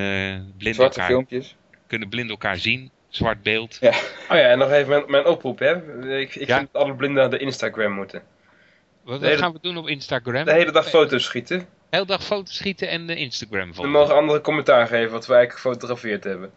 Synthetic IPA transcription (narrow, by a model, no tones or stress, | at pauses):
blɪndɑ̰ɪlˠmpjəs | kɵnəəblɪndɛlˠka̰ːɹzin | z̥ʋɑɹd̚beːlˠtaojaɛnːɔχejvəmɛnmɛjnɔprupɦɛɪkɪkfndɑtɑlˠəblɪndəədəʔɪnstaɡrɛmːutən | ʋɑelχaːnʋədunɔpɪnstaɡrɛmdəɦejlədɑχfowtowsχitə | ɦejlədɑχfowtosχitəɛnɪnstaɡrɛmvəmowχənɑndərəkomɛntaːɹχejvənʋɑtʋəɛjəχə̥fowtoχafɪːɹtɦɛbən